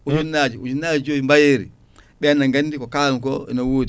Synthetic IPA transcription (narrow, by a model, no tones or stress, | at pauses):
ud͡ʒunːad͡ʒiud͡ʒunad͡ʒd͡ʒoimbajeɾḭ | ɓɛanaŋɡandikokakoḭnawuːdi